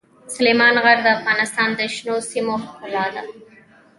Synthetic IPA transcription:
sʊlemɑnɣaɾd̪əafɣɑnɪst̪ɑnd̪əʃnosimoʊlɑd̪a̰

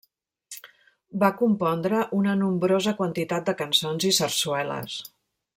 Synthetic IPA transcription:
bakumpɔnd̪ɾəʔunənumbɾozəkwənt̪it̪at̪̚d̪əkənsonzisənswɛlə̰s

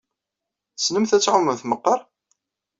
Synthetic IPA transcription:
snəmθæt͡sːʕʊmːəmθməqːɑɾˤ

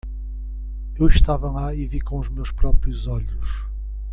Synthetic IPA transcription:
ewʃt̪avɐlˠaivikõuʒmewʃpɾɔpɾijuzɔʎuʃ

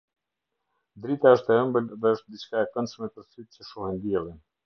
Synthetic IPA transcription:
d̪ɾit̪aəʃt̪ɛəmbəlðɛəʃt̪̚d̪it͡ɕkaɛkənsmɛp̪əɾsyt̪̚cəʃɔhɛnd̪jɛlˠin

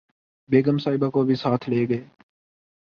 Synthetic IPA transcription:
beːɡəmsaːɪbaːkoːbʱiːsaːt̪ʰleːɡəeː

